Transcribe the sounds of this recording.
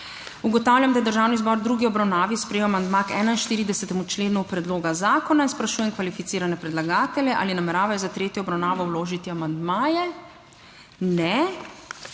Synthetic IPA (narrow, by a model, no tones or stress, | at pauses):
uɡɔt̪aːwljamd̪ajɛd̪əɾʒaːwnizbɔɾd̪ɾuːɡiɔbɾawnaːʋispɾɛjɔamand̪makɛːnainʃt̪iːɾid̪ɛsɛt̪ɛmut͡ʃleːnupɾɛd̪loːɡazaːkɔnainspɾaʃuːjɛmkʋalifit̪siːɾanɛpɾɛd̪laɡaːt̪ɛljɛʔa̰ːlinamɛɾaːʋajɔzat̪ɾeːt̪jɔːbɾawnaːʋɔwloːʒit̪iamand̪maːjɛ | nɛ